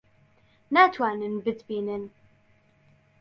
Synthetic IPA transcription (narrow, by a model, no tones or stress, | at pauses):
nat̪wanənbədbinən